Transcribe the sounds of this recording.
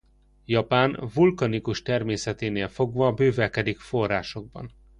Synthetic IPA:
jɒpaːnvulkɒnikuʃt̪ɛrmeːsɛt̪eːneːlfo̞ɡvɒːbøːvɛkɛd̪ikfo̞rːaːʃo̞ɡ̚bɒ̰n

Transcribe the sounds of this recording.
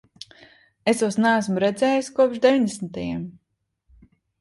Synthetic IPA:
esusnaːs̬muɾɛd̪zʲɛːjiskuɔpʃd̪eviɲʲd̪ʲesnt̪ajɛm

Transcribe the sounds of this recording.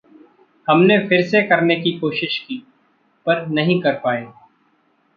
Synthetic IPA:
hɐmnefʰɪɾsekɐɾnekikoːʃɪʃkiː | pɐɾnɐɦĩkɐɾpaːeː

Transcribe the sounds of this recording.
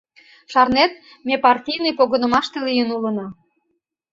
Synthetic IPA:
ʃɑrnet̪̚ | mʲepɑrtʲijnəjpoɣə̆nə̆mɑʃt̪elijənulənɑ

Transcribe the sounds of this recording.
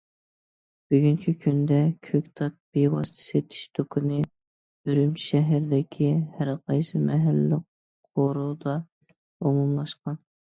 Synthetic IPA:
b̥yɡʲyŋkʲʰikʲʰynd̪ɛkʲʰøkʲt̪ʰɑt̪̚bewɑ̰st̪ʰə̥set̪ʰɪ̥ʃt̪ʰokʰʊnɨ | yɾymt͡ʃʰʃɛɦɪɾd̪ɪkʲʰihæɾqʰɑjsɨmɛɦælːɪq | qʰoɾud̪ɑ | omumlˠɑʃqɑn

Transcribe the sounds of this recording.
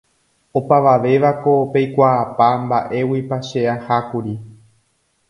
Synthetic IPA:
o̞paʋaʋe̞ʋako̞pejkʷaːpambaʔe̞wipaʃeahakuɾi

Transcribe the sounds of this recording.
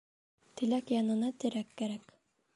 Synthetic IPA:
t̪ɘ̆lækjɑnɤ̆nɑt̪ɘ̆ɾækːæɾæk

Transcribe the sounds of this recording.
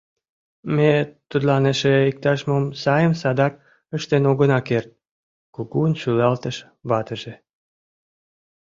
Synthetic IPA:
met̪ːut̪lɑneʃeik̚t̪ɑʒmomsɑjəmsɑd̪ɑk̚ | əʃt̪enoɣənɑkert̪̚ | kuɣunt͡ɕylɑlt̪əʃ | βɑt̪əʒe

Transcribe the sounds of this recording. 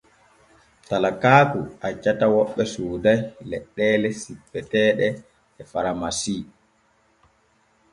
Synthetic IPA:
talakaːkṵat͡ʃːatawɔɓːɛsuːdajlɛɗːɛːlɛsipːɛtɛːɗɛ | ɛfaɾamasiː

